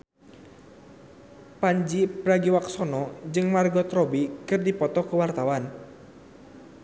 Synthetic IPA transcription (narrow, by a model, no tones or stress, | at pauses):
paɲd͡ʒipɾaɡiwaksɔnɔd͡ʒɨŋmarɡɔt̪rɔbikɨrdipɔt̪ɔkuwart̪awan